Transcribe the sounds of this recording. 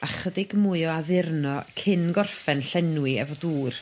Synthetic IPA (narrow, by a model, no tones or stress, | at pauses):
aχədɪɡmuɨɔaðɪrnɔkʰɪnɡɔrfɛnɬɛnwɨɛ̰vɔduːr